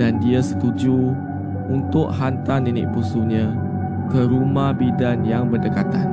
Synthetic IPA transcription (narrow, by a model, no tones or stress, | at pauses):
dandiasə̥t̪ud͡ʒu | unt̪ʊʔɦant̪aninɪ̰ʔ̚pusuɲã | kəɾumahbidanjaŋbərdəkat̪an